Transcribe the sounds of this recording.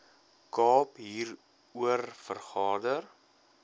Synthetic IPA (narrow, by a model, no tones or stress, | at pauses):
kɑːpɦiːr | uərfərχɑːdər